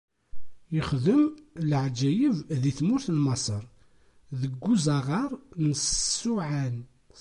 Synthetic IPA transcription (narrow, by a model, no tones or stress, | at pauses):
jəχðəmləʕd͡ʒːæjəvðiθmʊɾθnmɑsˤəɾˤ | ðəɡːuzɑʁɑɾˤnəssːuʕan